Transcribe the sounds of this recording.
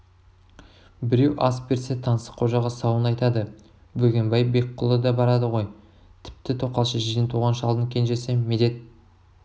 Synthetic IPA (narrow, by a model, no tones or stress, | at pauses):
bɪɾe̞wʔɑsbeɾset̪ʰɑnsə̥qʰo̞ʒɑʁɑsɑwənɑjt̪ɑd̪ə | bɵɡʲe̞mbɑjbe̞k̚qʰʊlˠəd̪ɑbɑɾɑd̪əʁo̞j | t̪ʰɪ̥p̚t̪ɪt̪ʰo̞qːɑlˠʃəʒijənt̪ʰuʁɑnʃəɑlˠd̪əŋkʲʰe̞nʒe̞semed̪e̞t̪̚